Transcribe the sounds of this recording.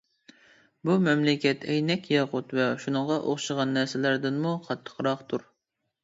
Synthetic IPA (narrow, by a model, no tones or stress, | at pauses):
bumɛmlɪkʲɛt̪ʰɛjnɛkʲjɑʁʊt̪vɛʃunɨŋʁɑʔoχʃəʁɑnːæɾsɪlæɾd̪ɪnmuqʰɑt̪ʰːə̥qʰɾɑqt̪ʰuɾ